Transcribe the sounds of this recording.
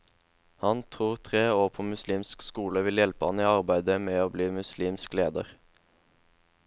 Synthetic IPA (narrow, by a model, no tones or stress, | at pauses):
hɑnt̪ʰʁuːʁt̪ʰʁeːoːʁpʰoːmʉsliːmskskuːləʋɪljɛlpəhɑniːɑʁbæɪd̪əmeːoːbliːmʉsliːmskleːd̪ə̰ʁ